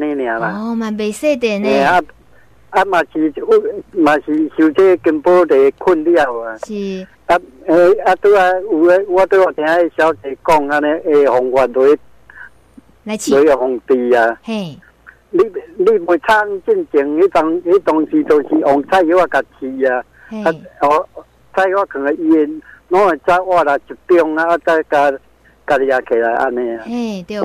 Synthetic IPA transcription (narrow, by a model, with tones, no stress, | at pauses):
nẽ˦nj̃ã˨lã˨ma˨be˨se˥˨t̪e˨nẽ˨a˦ | a˦mã˨ɕi˨u˦mã˨˩ɕi˨ɕu˧t͡ɕe˦˧ki˧mpo˦t̪e˨e˧kʰu˦˥˨nli˦a˧˨wa˨˧ | a˦e˧˨a˦t̪u˦a˧˨u˨e˦wa˦t̪e˦wa˨˩t̪ʰj̃ã˦e˦ɕja˧˦wt̪e˨˧kɔ˥˧˨ŋa˧nẽ˧ʔe˧˨hɔ˨ŋhwa˨d̪wo˨˦ | dwe˨˦˨hɔ˨ŋt̪i˧a˨ | li˦li˦bo˨t͡sʰa˦˨˦ŋ˦˧t͡ɕi˦˧˨nt͡ɕi˨˦ŋhe˦t̪a˧ŋhe˦t̪ɔ˧ŋsi˧˦t̪ɔ˧ŋɕi˨ʔɔ˨ŋt͡sʰa˧˨hi˧˦wa˧˨ka˨t͡ɕʰi˧a˨ | a˦ɔ˨ | t͡sʰa˦˧ji˦wa˦˧kʰɨ˨e˨i˧e˧nɔ̃˦e˨t͡ɕa˦wa˦˧˨la˨t͡ɕi˨˩t̪jɔ˧ŋaː˧˦t͡sa˦ka˧ | ka˧lja˨kʰe˨la˨jʔa̰˧nẽ˧a˨